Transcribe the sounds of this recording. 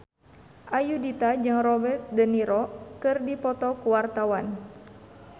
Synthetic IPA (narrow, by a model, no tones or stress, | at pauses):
ʔajudit̪ad͡ʒɨŋrɔbɛrt̪̚dəniɾɔkɨrdipɔt̪ɔkuwart̪awan